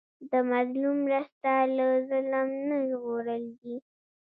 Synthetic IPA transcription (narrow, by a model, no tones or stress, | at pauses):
d̪əmazlumːɾəst̪alazələmnəʒɣoɾəld̪i